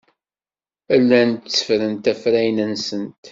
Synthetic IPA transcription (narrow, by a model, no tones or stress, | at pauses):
ælːænt̪t͡sːə̥fɾənt̪æfɾæjnənsənt̪